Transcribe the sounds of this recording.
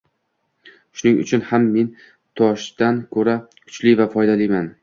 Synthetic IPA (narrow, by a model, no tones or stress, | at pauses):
ʃʊnɪŋʊ̰t͡ʃʰʊnhamːe̞n | t̪ʰɒʃd̪ankʰɵɾakʰʊ̥t͡ʃlɪvafɒjd̪alɪjman